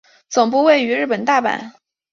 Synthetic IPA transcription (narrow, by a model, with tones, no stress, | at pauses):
t͡sʊ˨˩ŋp̬u˥˧we˥˩ɪy˧˥ɻɻ̩˥˩pə˨˩nt̪a˥˩pa̰˨˩˦n